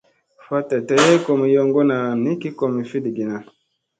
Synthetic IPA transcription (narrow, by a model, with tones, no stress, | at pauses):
fa˦ta˨tɛ˨jɛ˦kɔ˨mi˨jɔ˦ŋɡɔ˦na˨ni˦ki˦kɔ˨mi˨fi˦di˨ɡi˨na˨